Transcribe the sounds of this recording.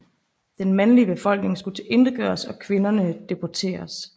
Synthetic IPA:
d̥enmænlib̥e̝fɒ̽l̰ɡ̥ne̝ŋsɡ̥ut͡sʰe̝ʔe̝nd̥ʁɐɡ̥ɶːɐsɒ̽kʰʋe̝nɐnəd̥e̝pʰɒt͡sʰe̝̰ːɐs

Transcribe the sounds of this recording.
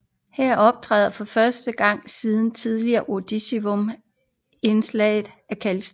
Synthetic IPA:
hæɐɒ̽b̥̚t͡sʰʁɛ̰ːðˠɐfɒ̽fɶɐsd̥əɡ̥ɑ̈ŋ̰siːðˠn̩t͡sʰið̞ˠliɐːʔo̝d̥isiʋom | e̝nslɛ̰ɪð̩ˠ | ækʰæls

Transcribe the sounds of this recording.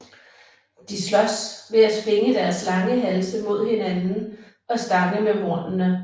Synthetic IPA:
d̥islɒ̽sʋe̝æsb̥e̝ŋəd̥æɐslɑ̈ŋəɦælsəmo̝ð̰ˠhe̝nænn̩ | ɒ̽sd̥ɑ̈ɡ̥əmemɒnənə

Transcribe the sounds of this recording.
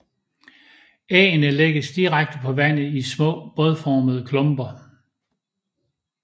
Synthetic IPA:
ɛ̰ːnəleɡ̥əsd̥iʁaɡ̥̚d̥əpʰɒ̽ʋæn̰ð̩ˠismɔ̰̽ːb̥ɔðˠfɒːməð̞ˠəkʰlɔ̽mb̥ɐ

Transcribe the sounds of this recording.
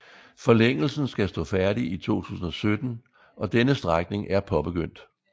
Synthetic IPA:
fɒ̽leŋ̰l̩sn̩sɡ̥æsd̥ɔ̰̽ːfæɐɾiit͡sʰo̝̰ːt͡sʰṵːsn̩ɒ̽sød̥n̩ | ɒ̽d̥enəsd̥ʁaɡ̥̚ne̝ŋʔæɐpʰɒ̽b̥e̝ɡ̥øn̰d̥

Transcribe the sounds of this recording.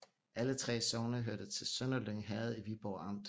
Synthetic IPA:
ʔælət͡sʰʁɛ̰ːsɒʊnəɦøɐ̰d̥ət͡sʰe̝lsønɐløŋɦɛð̞̩ˠiʋib̥ɒʊ̰ɑ̈m̰d̥

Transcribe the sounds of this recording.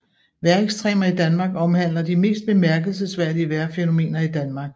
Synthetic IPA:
ʋæɐeɡ̥sd̥ʁḛːmɐid̥ænmɑ̈ːɡ̥ɒ̽mhæn̰lɐd̥ime̝̰ːsd̥̚b̥e̝mæɐɡ̥əl̩səsʋæɐ̰d̥iəʋæɐfeno̝me̝̰ːnɐid̥ænmɑ̈ːɡ̥̚

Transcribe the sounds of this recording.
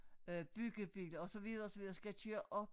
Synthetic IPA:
b̥yɡ̥əb̥ḭːləɒ̽sɒ̽ʋiðˠɐɒ̽sɒʋiðˠɐsɡ̥æt͡sʰøːɐʔɒ̥̽

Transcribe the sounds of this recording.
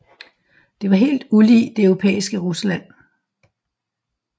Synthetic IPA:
d̥e̝ʋɑ̈ɦe̝̰ːld̥ulḭːd̥e̝œʊo̝pʰḛːisɡ̥əʁuslæn̰

